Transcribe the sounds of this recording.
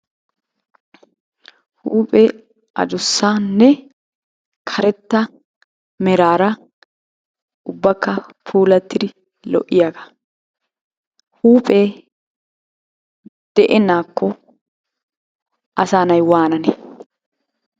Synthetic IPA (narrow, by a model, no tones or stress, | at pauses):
huːpʼɛ | ʔɐ̰d͡ʒ̪ʊsːaːnːɛ | kʰɐɾɛt̪ːɐ | mɛɾaːɾɐ | ʊbːɐkːɐpʰuːlɐt̪ːɪd̪ɪ | lɔ̰ʔɪjaɡɐ̥ | huːpʼeː | d̪̥ɛʔɛnaːkːɔ | ʔɐsaːnɐjwaːnɐnɛ